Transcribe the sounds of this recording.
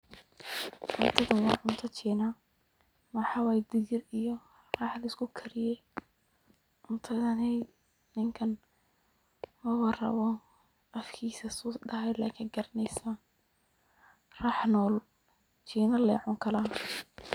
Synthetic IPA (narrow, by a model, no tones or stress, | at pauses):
ʕʊnt̪ʰɐðɐwɑːʕʊnt̪ʰɐt͡ʃʰiːnɐ | mɐħɑwɑjd̪ɪɣɪrijɔ | rɑːħlɐskʰʊkʰɐɾɪjɛj | ʕʊnt̪ʰɐðɐnɛj | nɪŋkʰɐn | mɐwɐrɐ̰βɔ | ʔɐfkʰiːsɐsuːɖɐɦɛjla̰ːkʰɪɡɐɾɐnɛjsɐ | raːħnɔːl | t͡ʃʰiːnɐlɛːʕʊŋkʰɐlaː